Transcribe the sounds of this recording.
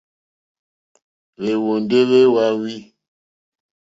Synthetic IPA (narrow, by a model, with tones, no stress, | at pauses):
βe˨wo˨nde˦βe˦wa˦wi˦